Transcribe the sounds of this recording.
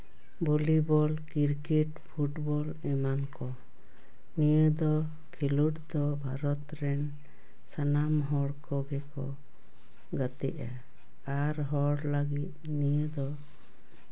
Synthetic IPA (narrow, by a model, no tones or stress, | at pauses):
bolibɔlkiɾkɛʈpʰuʈbɔl | ɛmankɔ | nijəd̪ɔ | kʰiluʈd̪ɔbʱaɾɔt̪ɾɛn | sanamɦɔɽkɔɡɛkɔ̰ | ɡət̪ɛ̰ʔa | aɾɦɔɽləɡit̪̚nijəd̪ɔ